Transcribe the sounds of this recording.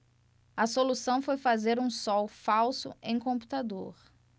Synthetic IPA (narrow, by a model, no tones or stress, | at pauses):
ɐsolusɐ̃w̃fojfazeɾũsɔwfawsʊ̰ʔẽj̃kõmpu̥t̪ad̪o̰ɾ